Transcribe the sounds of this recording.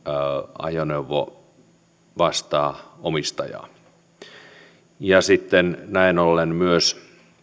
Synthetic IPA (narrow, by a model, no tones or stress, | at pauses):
ɑ̰joneuʋːo̰ | ʋɑst̪ɑːomist̪ɑ̰jɑ̰ː | jɑsit̪ːennæinolːenmyøs